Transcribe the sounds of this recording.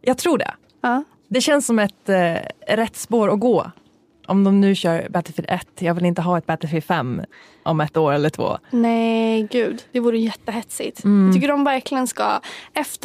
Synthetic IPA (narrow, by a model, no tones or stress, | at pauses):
jʔɑːɡt̪ʰɾuːɖɛ̰ | ɑː | d̪ɛɕɛnsːɔmɛt̪ | ɾɛt̪ːspoːɾɔɡoː | ʔɔmd̪ɔmnʉ̟ːɕœːɾbɛt̪ɪfɪɛ̰t̪ːjɑːɡvɪlɪnt̪əɦɑːɛt̪̚bɛːt̪ɪfɪfɛmː | ʔɔmɛt̪ːoːɾɛlːəʈʰvo̰ːnɛɡʉ̟ːd̪d̪̥ɛvuːɾəjɛt̪ːəɦɛt̪sɪt̪t̪ʰʏkːəɖɔmvæɾklɪɡənska̰ɛft̪